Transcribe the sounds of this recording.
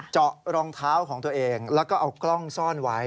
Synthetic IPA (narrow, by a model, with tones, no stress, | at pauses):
t͡ɕɔ˨˩ʔɾɔː˧ŋt̪ʰaː˦˥wkʰɔː˩˦ŋt̪u˧ɐʔeː˧ŋlɛː˦˥wkɔː˥˩ʔa˧wklɔ˥˩ŋsɔː˥˩nwa˦˥j